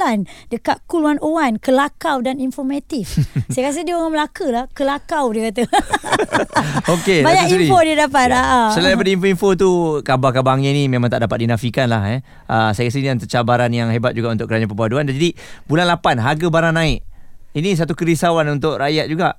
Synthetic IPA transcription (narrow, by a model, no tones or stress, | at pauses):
andəkaʔ̪̚kuluanʔowankəlakawdaninfɔmat̪ifajakas̬ədiəoŋaməlakəlahkəlakawdiəkat̪̬ə | okebaɲaiɾifodiadapat̪̚aʔasəladajpadainfoimfot̪̬ukabakabaŋɲainimẽmãŋt̪aʔdapat̪̚dinafikanlahɛ | ʔəsajakas̬əniant̪ət͡ʃabaɾanjaŋɦebat̪̚d͡ʒuɡaʔunt̪ʊʔkəɾaɲãpəbaduandand͡ʒadibulanlapanɦaɡabaɾanãɪʔinis̬at̪ukəɾisawanunt̪ʊʔrajat̪̚d͡ʒuɡaʔ